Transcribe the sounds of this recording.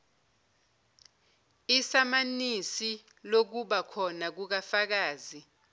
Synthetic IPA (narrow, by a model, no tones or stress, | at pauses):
isamanisi | lok̬uɓakʰɔnak̬uk̬afak̬aːzi